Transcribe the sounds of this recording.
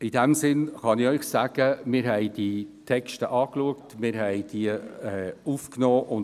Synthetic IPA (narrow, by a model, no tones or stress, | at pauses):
idɛmsɪnχɑnɪœʏχsæːɡ̥əmɪːɾɦɛɪditʰɛkʃtəʔɑːkluəktmɪːɾɦɛɪd̥iəɛufknoːʔʊn